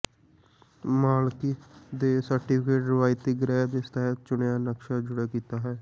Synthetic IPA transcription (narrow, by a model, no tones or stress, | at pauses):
maːlkiːd̪eːsəɾʈiːpʰɪkeːʈɾɪʋaːit̪iːɡɪɾɛːd̪eːst̪aːt͡ʃʊɳjãːnəkʃaːd͡ʒʊɽaːkiːt̪aːɦɛː